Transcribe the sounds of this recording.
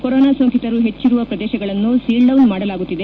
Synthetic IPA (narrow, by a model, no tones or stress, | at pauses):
kɔɾoːnaːsoŋkit̪ɐɾuɦe̞t͡ʃːiɾuʋɐpɾɐd̪ɛːʃɐɡɐɭɐnːusiːlɖɐwnmaːɽɐlaːɡut̪ːid̪e̞